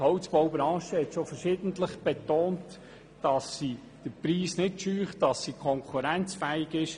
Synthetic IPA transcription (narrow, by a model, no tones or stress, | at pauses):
hɔwt͡sb̥ɔwbɾɑ̃ːʃəhɛtʃofəɾʃɪːdən̩tləχb̥etoːnt | d̥ɑsːi | d̥əpɾiːsnɪtʃyːχtd̥ɑsːikʰɔŋkʰuɾɛnt͡sfɛɪɡɪʃ